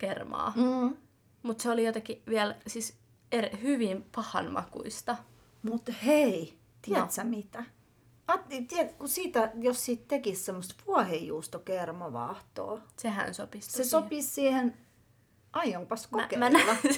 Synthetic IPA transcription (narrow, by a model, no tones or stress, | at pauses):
kermɑ̰ː | mut̪seolijot̪ekiʋiælsis | erihyʋimpɑhɑ̰nmɑ̰kṵist̪ɑ | mut̪hei | t̪iæt̪sæmit̪æ | ɑt̪t̪iɛt̪kusiːt̪æjossit̪t̪ekissemːost̪ʋuɑhejjuːst̪okermɑʋɑ̰ht̪o̰ːsehæ̰nsopissesopissiːhen | ɑijoŋpɑsko̰kemænæɑ